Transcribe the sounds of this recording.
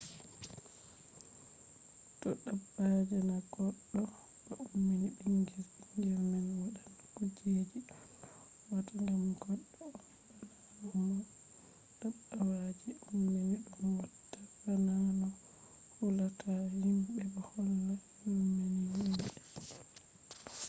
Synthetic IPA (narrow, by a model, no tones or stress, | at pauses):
tɔɗabːad͡ʒɛnaɡ̥ɔɗːɔ | ɓɔʔumːiniɓiŋɡiɾiŋɡɛɾmanwaɗan | kud͡ʒed͡ʒi | wataŋɡamɡɔɗːɔ | aɗa | mɔ | ɗaɓːawad͡ʒiumːeniɗɔnwatːafananɔ | hulakahimɓɛbɔhɔlːa | humːiniwi